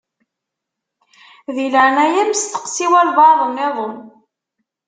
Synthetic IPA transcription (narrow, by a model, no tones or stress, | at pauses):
ðiləʕnæjæmst̪ə̥qsiwælvɑðˤəmːɪðˤəm